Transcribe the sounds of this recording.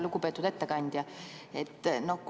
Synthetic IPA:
lukupet̪ːˑud̪̥e̞t̪ːekɑnʲd̪̥ʲjɑet̪ːno̞k

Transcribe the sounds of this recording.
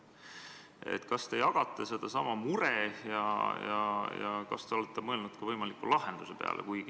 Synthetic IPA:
ḛt̪ːkɑst̪e̞jɑɡ̥ɑt̪ːˑese̞d̪̥ɑsɑmɑmuɾejɑjɑ̰jɑ̰kɑ̰st̪e̞o̞let̪ːˑemɤelnud̪̥kɑvɤjmɑlikːulɑɦe̞nd̪̥use̞pe̞ɑ̰lʔḛkuj

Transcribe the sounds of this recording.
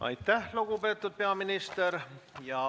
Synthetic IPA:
ʔɑ̰jt̪ːˑæhluɡ̥upe̞ːt̪ːˑud̪̥̚pe̞ɑminist̪eɾjɑ

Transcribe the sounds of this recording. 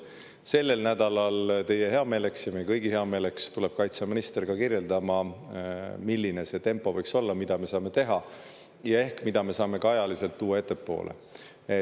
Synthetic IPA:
se̞lːe̞lnæd̪ɑlɑlt̪e̞jːe̞ɦe̞ɑme̞ːle̞ksjɑmejkɤjɡihe̞ɑme̞ːle̞kst̪ule̞b̥̚kɑjt̪sɑminist̪erɡ̥ɑkirje̞ld̪̥ɑmɑ | milʲːine̞se̞t̪e̞mpːˑo̞vɤjkso̞lːɑmid̪̥ɑme̞sɑːme̞t̪e̞ɦɑ | jɑe̞hkmid̪̥ɑme̞sɑːme̞kɑɑjɑlise̞lt̪ːuːɑe̞t̪ːˑe̞pːo̞̰ːlʔḛ | e

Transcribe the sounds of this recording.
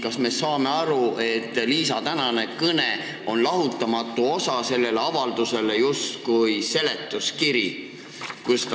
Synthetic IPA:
kɑsme̞sɑːme̞ɑɾue̞t̪ːˑliːsɑt̪ænɑne̞kɤne | o̞nlɑɦut̪ːˑɑmɑt̪ˑːuo̞sɑse̞lːe̞leɑvɑld̪̥use̞le̞just̪kujse̞le̞t̪ːˑuskiɾi | kust̪

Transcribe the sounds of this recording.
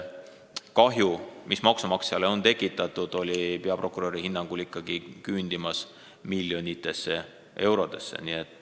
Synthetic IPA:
kɑɦjumʔismɑksumɑksjɑleo̞nt̪e̞kːˑit̪ːˑɑt̪ːˑud̪̥o̞lʲipe̞ɑprʔo̞kuɾo̞ɾihinːɑŋɡ̥ulikːɑɡ̥ikynd̪̥imɑs | milʲjo̞nit̪ːˑe̞sːe̞ | ʔe̞wɾo̞d̪̥e̞̰sːḛnie̞t̪ːˑ

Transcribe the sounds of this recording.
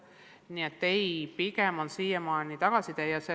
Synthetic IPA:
niet̪ːejpiɡemonsiːjemɑːnit̪ɑɡ̥ɑsit̪ejɑse

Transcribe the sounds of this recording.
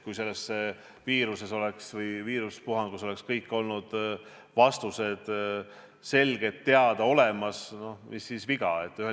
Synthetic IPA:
kujse̞lːesːe | viːɾuse̞so̞le̞ksvɤjviːɾuspuɦɑnɡ̥uso̞lekskɤjkːˑo̞lnud̪̥ | vɑst̪use̞d̪̥ | se̞lɡe̞t̪ːe̞ɑd̪̥ɑo̞lemɑsno̞misːisviɡ̥ɑe̞t̪ːˑyhe

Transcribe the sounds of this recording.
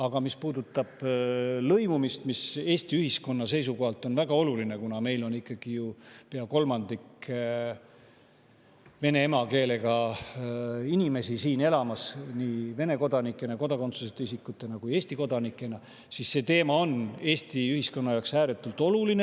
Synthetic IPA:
ɑɡ̥ɑmispuːd̪̥ut̪ːˑɑb̥lɤjmumist̪mise̞ːst̪iyhisko̞nːɑse̞js̬uko̞ɦɑlt̪ˑo̞nvæɡ̥ɑo̞luline̞kunɑme̞jlo̞nikːˑɑɡ̥ijupeɑko̞lmɑnd̪ik | ve̞ne̞emɑke̞ːle̞ɡɑ | inime̞sisiːne̞lɑmɑsniːve̞ne̞ko̞d̪ɑnikːˑe̞nɑko̞d̪ɑkot̪suset̪ːeisikːˑut̪ːˑe̞nɑkuje̞ːsʲt̪iko̞d̪̥ɑnikːˑe̞nɑ | sisːe̞ːt̪e̞ːmɑo̞ne̞ːst̪iyhisko̞nːɑjɑoksæːɾet̪ːˑult̪ˑo̞luline

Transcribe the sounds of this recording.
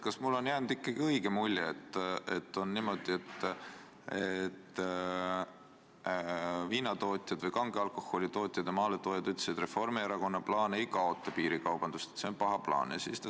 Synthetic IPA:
kɑsmulːo̞njæːnud̪̥ikːɑɡ̥iɤjɡ̥emulʲːeet̪ːe̞̰t̪ːo̞nːiːmo̞d̪̥ie̞t̪ː | et̪ː | viːnɑt̪o̞ːt̪ʲˑjɑd̪vɤjkɑŋɡ̥eɑlko̞ho̞lʲit̪o̞ːt̪ʲˑjɑd̪emɑːlet̪oːjɑd̪yt̪lesid̪re̞fo̞rmieɾɑko̞nːɑplɑːneijkɑo̞ːt̪ːˑɑpiːɾikɑwb̥ɑnd̪̥ust̪e̥t̪seo̞npɑɦɑplɑ̰ːnsḭːst̪

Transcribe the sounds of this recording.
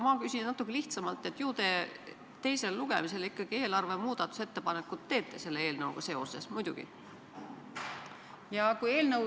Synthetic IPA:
mɑkysʲinnɑt̪ːˑukˑːeliht̪sɑmɑlt̪ːˑe̞t̪ːˑjuːd̪̥e̞ | t̪e̞jse̞lːuɡ̥e̞̰mise̞likːɑɡ̥ie̞ːlɑrve̞muːd̪̥ɑt̪ːˑu̥se̞t̪ːe̞pɑne̞kːˑut̪ːe̞ːt̪ːˑese̞lːee̞ːlnɤwɡ̥ɑse̞o̞̰se̞smujd̪̥ṵɡ̥ḭ | jɑkuje̞ːlnɤw

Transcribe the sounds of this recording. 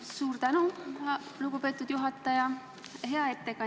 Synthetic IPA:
suːrt̪ænuɑluɡ̥upe̞ːt̪ːˑud̪̥juɦɑt̪ːˑɑjɑ | ɦe̞ɑe̞t̪ːe̞kɑ

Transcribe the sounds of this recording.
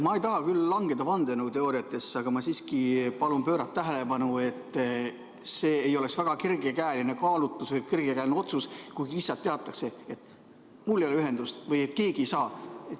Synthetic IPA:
mɑejt̪ɑɦɑkylːɑŋɡ̥e̞d̪ɑvɑnd̪enoɡut̪e̞oːɾiɑt̪ːˑe̞sɑɡ̥ɑmɑsiːskipɑlunpø̞ːɾɑt̪ːæɦelepɑnue̞t̪ˑː | se̞ːjo̞le̞ksvæɡ̥ɑkirɡ̥ekæːline̞kɑːlut̪ːˑusvɤkirɡ̥ekæːlʲineo̞t̪suskujisːɑt̪ːeɑt̪ːˑɑkse̞et̪ | mulːejoeyɦe̞nd̪̥ust̪vɤjet̪ˑke̞ːɡie̞jsɑːet̪

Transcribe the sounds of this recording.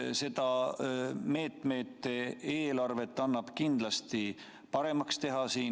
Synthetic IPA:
se̞d̪̥ɑ | me̞ːt̪me̞t̪ːee̞ːlɑrve̞t̪ːˑɑnːɑb̥kind̪lɑst̪i | pɑɾe̞mɑkst̪e̞ɦɑsiːn

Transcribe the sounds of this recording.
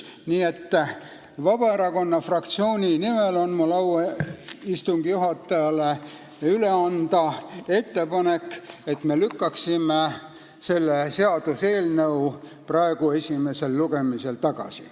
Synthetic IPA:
niːe̞t̪ː | vɑbɑeɾɑko̞nːɑfrɑkt̪sio̞ːnʲinime̞lo̞nmulɑweist̪uŋɡ̥ijuɦɑt̪ːˑɑjɑle | yle̞ɑnd̪̥ɑe̞t̪ːe̞pɑne̞ket̪me̞lykːɑksime | se̞lːese̞ɑd̪̥use̞ːlnəuprɑeɡ̥ue̞sʲime̞se̞lːuɡe̞mise̞lt̪ɑɡ̥ɑ̰si

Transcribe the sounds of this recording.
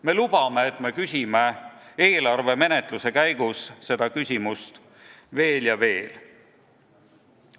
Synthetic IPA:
me̞lub̥ɑme̞ːt̪ːˑme̞kysʲimee̞ːlɑrve̞me̞ne̞t̪ˑluse̞kæjɡusse̞d̪̥ɑkysʲimust̪ | ve̞ːljɑve̞ːl

